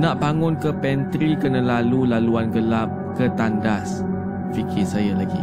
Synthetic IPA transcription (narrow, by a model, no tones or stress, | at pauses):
nãʔbaŋʊ̃nkəpɛnt̪ɾikənə̃lalulaluanɡəlap̚ | kət̪andas | fikʰɪsajalaɡi